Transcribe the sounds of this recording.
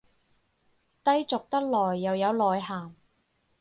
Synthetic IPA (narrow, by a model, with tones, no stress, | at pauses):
t̪ɐ˥jt͡sʊ˨k̚t̪ɐ˥k̚lɔː˨˩jːɐ˨wjɐ˨˧wlɔː˨jɦaː˨˩m